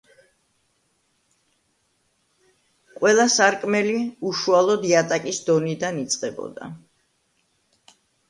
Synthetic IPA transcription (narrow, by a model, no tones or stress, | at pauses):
qʼwɛlˠasaɾkʼmɛliuʃualˠɔd̪iat̪ʼakʼisd̪ɔnid̪anit̪sʼqʼɛbɔ̰d̪a̰